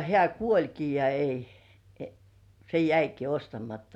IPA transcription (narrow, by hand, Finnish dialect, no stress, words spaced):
hĕæˑ kuolʲki jɑ ei se jæiki ostɑmɑtːɑ